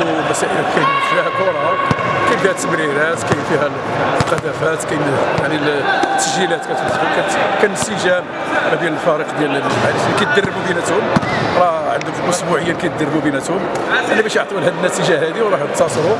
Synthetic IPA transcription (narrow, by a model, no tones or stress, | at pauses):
mæsæʔəlkæjmnflæhbuɾˤɑkæjfihæt̪ːəmɾiɾæt̪kæjfihæ | lqɑd̪æfæt̪kæjnjaʕnilt̪ːəʒilæt̪kæt̪uzukækænəsiʒæ | mæd̪jæləlfæɾiqd̪jælaliskæt̪̚d̪ərˤːəbubinæt̪hʊmɾˤɑʕənd̪ʊfilʔʊsbuʕəjːalkæjt̪̚d̪ərˤːəbubinæt̪hʊm | ʔænibæʃjəʕt̪ˤulhæd̪nːæt̪iʒaɦæd̪iwɾˤɑħt̪ːɑsˤɾu